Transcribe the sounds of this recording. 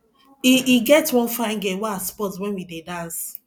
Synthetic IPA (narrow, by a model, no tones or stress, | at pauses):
iʔiɡɛtwɔ̃nfãɪ̃nɡɛwɛaspɔtswɛ̃nwidedãns